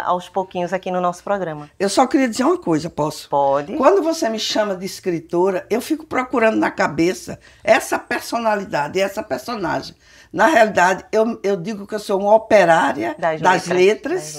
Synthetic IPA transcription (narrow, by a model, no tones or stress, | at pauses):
a̰wspokĩɲʊzakinʊnɔsʊ̥pɾɔɡɾɐ̃mɐewsɔkɪɾiɐd̪izeɾũm̃ɐkojzɐpɔsʊ̥pɔd͡ʒɪkwɐ̃nd̪ʊvosemɪʃɐ̃mɐd̪ɪiskɾit̪oɾɐewfikʊ̥pɾokuɾɐ̃nd̪ʊnɐkabesɐ̰ | ɛsɐpeɾsonalid̪ad̪ɪɛsɐpeɾsona̰ʒẽj̃ | nɐɦealid̪ad̪ɪewewd̪iɡʊkɪewsoũmɐopeɾaɾjɐd̪ɐzdlɐzlet̪ɾɐs